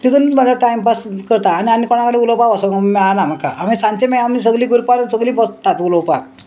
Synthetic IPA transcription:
t̪it̪unmad͡zʱaʈajmpaskəɾt̪aːniamikoɽ̃akəɽeulowpakasomanam̤aka̰amisãnt͡ɕ̪emajamis̬əɡlĩɡuɾpalunsəɡlĩːpɔst̪at̪ulowpak

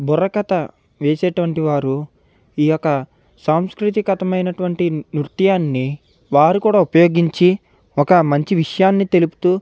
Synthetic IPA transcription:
buɾɐkɐt̪ɐ | ʋeːseːʈuʋɐɳʈiʋaːɾu | iːjɔkɐ | saːmskɾut̪ikɐt̪ɐmɐjnɐʈuʋɐɳʈinɾut̪jaːnːi | ʋaːɾukuːɽaːupɐjo̞ːɡiɲt͡ʃi | ɔkɐmɐɲt͡ʃiʋiʂɐjaːnːit̪e̞lupu̥t̪uː

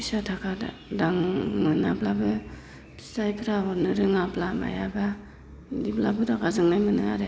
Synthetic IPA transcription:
bisatʰakʰada̰ | daŋmɯnablabɯ̥ | tajpʰɾaɦɔɾnɯɾɯŋablama̰jaba | diblabɯdakazɯŋnajmɯnɯŋaɾe

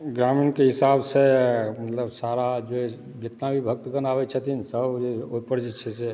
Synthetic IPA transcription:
ɡɾaminkeɦisabsemət̪ləbsaɾad͡ʒo | d͡ʒɪt̪nabʱibʱək̚t̪ɡənabɛt͡ʃʰət̪ʰinsəbd͡ʒopəɾd͡ʒit͡ʃʰɛse

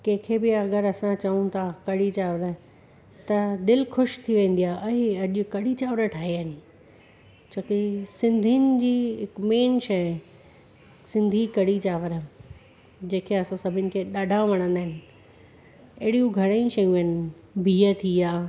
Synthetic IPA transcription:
kɐ̃ɦkʰebɪɐɡəɾɐsãt͡ɕɐũt̪ʰakɐɽit͡ɕaːʋɾ | t̪ɐd̪ɪlxʊʃt̪ʰiʋẽːn̆d̪ijaːʔɐeɐʄʊkɐɽit͡ɕaːʋəɾəʈʰaːɦiəɪnɪ̆ | t͡ɕʰokisɪ̃nd̪ʱinɪ̆d͡ʑiːɦɪkmeːnʃɐ | sɪ̃nd̪ʱikɐɽit͡ɕaːʋəɾə | d͡ʑẽːkʰeɐsãsɐbʱɪnɪ̆kʰeɗaːɖʱãʋɐɽ̃ə̃nd̪aːɦɪnɪ̆ | ɐɦɽijũɡʱɐɽ̃ajĩt͡ɕɐjũɐɪnɪ̆ | bʱiːət̪ʰiaː

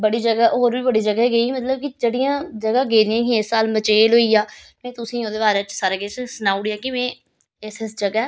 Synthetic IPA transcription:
bəɽiːd͡ʒəɡaːoːɾbiːbəɽiːd͡ʒəɡaːeːɡəiːmət̪ləb̚kɪd͡ʒeːɽɪjãːd͡ʒəɡaːɡeːd̪ɪãːkĩɪsːaːlmət͡ʃeːlɦoːiːaː | mɛ̃ːt̪ʊsĩːoːd̪eːbaːɾeːt͡ʃsaːɾaːɡeːt͡ʃsənaːʊɽiːaːkɪmɛ̃ː | ɪsɪsd͡ʒəɡaːɛː

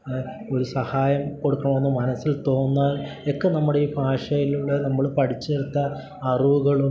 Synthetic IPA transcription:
o̞ɾusɐhaːjɐmko̞ɽukːɐɳɐmʋonːɨmːɐnɐsːilt̪o̞ːnːaːlekːenɐmːuɽeiːbʱaːʂɐjiluɭːɐnɐmːɐɭpɐʈʰit͡ɕːeɾut̪ːɐː | riʋuɣɐɭu

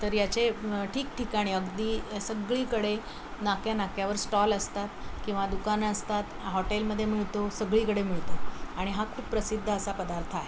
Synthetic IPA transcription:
t̪əɾjat͡ɕeʈʰiːkʈikaɽ̃iəɡd̪iːsəɡɭiːkəɽe | nakjanakjaʋəɾsʈɔləst̪at̪kĩw̃ʋad̪ukanəst̪at̪ɦɔʈelməd̪ʱːjemiɭt̪osəɡɭiːkəɽemiɭt̪aaɽ̃iɦakʰuːppːɾəsid̪ʱːəːsapəd̪aɾt̪ʰəaɦe

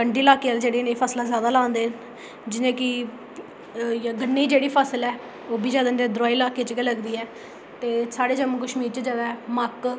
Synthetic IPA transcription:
əɳɖiːɪlaːkeːald͡ʒeːɽiːnẽːpʰəːslaːzjaːd̪aːlãːnd̪eː | d͡ʒɪnẽːkɪ | jaːɡənːeiːd͡ʒeːɽiːpʰaːsəlɛː | oːbiːd͡ʒjaːd̪aned̪ɾaːiːlaːkeːt͡ʃkeləɡd̪iːɛː | t̪eːsaːɽeːd͡ʒəmːkəʃmiːɾt͡ʃəd͡ʒaːd̪amək

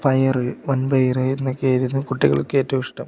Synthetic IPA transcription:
pɐjɐrɨʋɐnbɐjrɨinːɐkːeɐɾunːukuʈːiɣɐ̰ɭikːɨeːtːɐiʂʈɐm

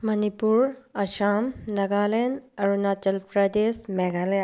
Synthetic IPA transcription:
mɐnipuɾɐʃaːmnɐɡaːlenɐɾunaːt͡ʃɐlpɾɐd̪esmɛɡale

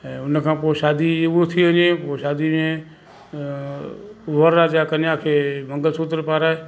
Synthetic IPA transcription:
ɛ̃ʊnkʰãːpoʃaːd̪ieʋot̪ʰiənẽːpoːʃaːd̪imẽ | ʋəɾːaːd͡ʒaːkənjaːkʰemə̃ŋɡəlsut̪əɾpaːɾaːe

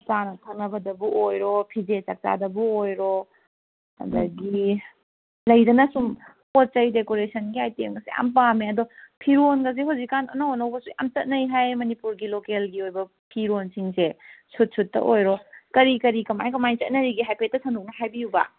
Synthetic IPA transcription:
t͡ʃanɐtʰɐŋɐbɐdɐbuʔojɾopʰid͡ʒet͡ʃɐk̚t͡ʃa̰dɐbuojɾo | hɐ̰dɐɡi | lɐjdɐnɐsum | pot̚t͡ʃɐjdekoɾesʰɐnɡiajtemɡɐsḛʔa̰mpameɐdopʰiɾonɡɐs̬iɦowzikːanɐ̰naonɐwbɐsua̰mt͡ʃɐt̚nɐjɦajmɐnipuɾɡilokelɡiojbɐ | pʰiɾonsiŋsesut̚sʰutːɐ̰ʔojɾokɐɾikɐɾikɐma̰jkɐmajt͡ʃɐt̚nɐɾiɡiɦajpʰetːɐsʰɐnduk̚nɐɦajbiubɐ̰

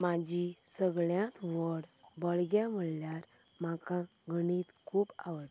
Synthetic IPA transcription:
mad͡ʑisəɡɭjãt̪ʋɔɽbəɭɡjam̤əɭljaɾ | makã | ɡənit̪kʰuːpa̰ʋəʈ

